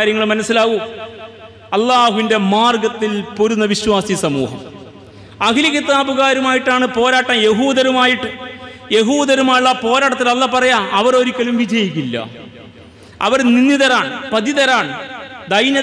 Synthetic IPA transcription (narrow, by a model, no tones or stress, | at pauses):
aːɾjɐŋːɐɭmɐnɐsːilaːɣu | ɐlːaːhuʋinde̞maːrɡɐt̪ːilpoɾunːɐʋiɕwaːsisɐmṵːhɐm | ɐkilɐɣit̪ːaːbuɣaːɾumaːjiʈːaːɳɨpo̞ːɾaːʈːɐmjeɦuːd̪ɐɾumaːjiʈːɨje̞ɦuːd̪ɐɾumaːjuɭːɐpo̞ːɾaːʈːɐt̪ːilɐlːapɐrɐjaːɐʋɐro̞ɾikʲːɐlumʋid͡ʑɐjikʲːilːɐ̰ | ɐ̰ʋɐrninːiðɐɾaːɳpɐðiðɐɾaːɳd̪ɐjnɐ